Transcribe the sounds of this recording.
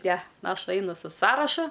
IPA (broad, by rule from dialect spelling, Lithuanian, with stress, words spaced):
nʲɛ ˈɐʃ ˈɐɪnʊ sʊ ˈsɑːrɐʃʊ